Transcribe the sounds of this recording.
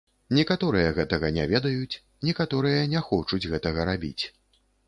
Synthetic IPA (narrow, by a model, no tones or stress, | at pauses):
nʲɛkat̪ɔɾɨjɐɣɛt̪ɐɣɐnʲɛvʲɛd̪ɐjut͡sʲ | nʲɛkat̪ɔɾɨjɐnʲɛxɔt͡ʂud͡zʲɣɛt̪ɐɣɐɾabʲḭt͡sʲ